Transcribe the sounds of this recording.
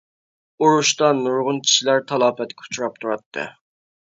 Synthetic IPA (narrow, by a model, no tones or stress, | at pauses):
uɾuʃt̪ɑnuɾʁʊnkʲʰi̥t͡ʃilæɾt̪ʰɑlˠɑːpɛt̪kʲʰu̥t͡ʃʰuɾɑp̚t̪ʰuɾɑt̪ʰːɨ̰